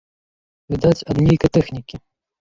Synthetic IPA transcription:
vʲɨd̪at͡sʲɐd̪nʲejkɐjt̪ɛxnʲikʲi

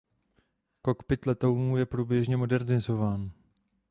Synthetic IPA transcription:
ko̞kpɪt̪lɛt̪owmuːjɛpɾuːbjɛʒɲɛmo̞dɛɾnɪzo̞vaːn

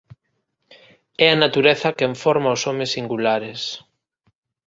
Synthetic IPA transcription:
ɛɐnat̪uɾeθɐkeɱfɔɾmaosɔmesːiŋɡulaɾes

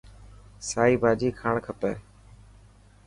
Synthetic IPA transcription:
saːiːbʱaːd͡ʒiːkʰaːɳkʰəpeː

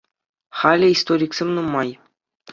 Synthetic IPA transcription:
χɑlʲɘ̆ist̪oɾʲiksʲemʲnumːɑj

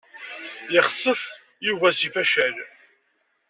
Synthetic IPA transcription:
jɪχsˤːəf | juvæsifæʃæl

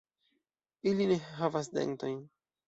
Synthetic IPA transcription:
iline̞ɦavasdḛŋto̞jn

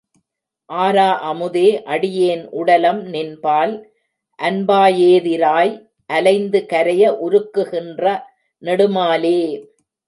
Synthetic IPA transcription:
ʔaːɾaːʔɐmɯðeːʔɐɽɪjeːnʔʊɽɐlɐmnɪnbaːl | ʔɐnbaːjeːðɪɾaːj | ʔɐlɐɪnd̪ɯkɐɾɐjɐʔʊɾɯkːɯɣɪndrɐ | nɛɽɯmaːleː

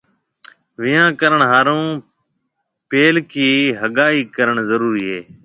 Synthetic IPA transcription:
ʋɪjãːkəɾəɳɦaːɾõː | peːlkiːɦəɠaːiːkəɾəɳzəɾuːɾiːɦeː

